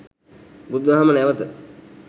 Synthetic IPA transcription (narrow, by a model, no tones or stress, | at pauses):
bud̪ʋɐɦamənɛʋət̪ə